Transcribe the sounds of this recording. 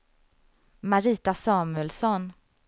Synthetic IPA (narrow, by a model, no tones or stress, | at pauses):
maɾiːt̪asɑːmɵɛlsɔn